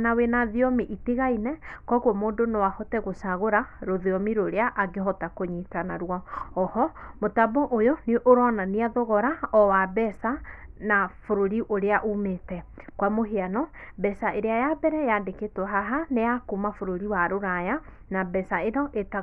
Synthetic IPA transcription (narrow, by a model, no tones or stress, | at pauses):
nawenaðiɔmiʔiteɣainɛkɔɣwɔmoːndonowahɔtɛɣosaɣoɾaɾoðeɔmiɾoɾeaʔaɡeɦɔtakoɲitanaɾwɔɔhɔmotaboʔojoneʔoɾɔnaniaðɔɣɔɾaɔwabɛsanafoɾoɾiʔoɾeaʔumetɛkwamoɦeanɔbɛsaʔeɾeajabɛɾɛjandeketwɔɦaɦanejakumafoɾoɾiwaɾoɾaja | nabɛsaeɾɔʔeta